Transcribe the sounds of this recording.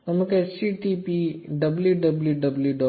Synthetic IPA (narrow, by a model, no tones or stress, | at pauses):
ɐmukesiʈipiɖɐbljuɖɐbljuɖɐbljuɖɔ